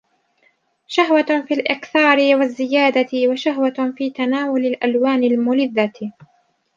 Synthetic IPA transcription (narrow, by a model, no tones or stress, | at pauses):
ʃaɦwafiːlʔɪqθɑːɾɪwazːɪjaːd̪aɪwaʃaɦwafiːt̪anaːwʊlɪlʔalwaːnɪlmʊlɪðːa